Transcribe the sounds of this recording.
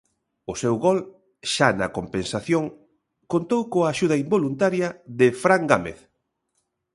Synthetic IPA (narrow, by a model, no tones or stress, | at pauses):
ʊsɛwɣɔl | ʃanɐ̰kompensaθjoŋ | kont̪owkoɐːʃuð̞ɐimbolunt̪aɾjɐðɪfɾaŋɡamḛθ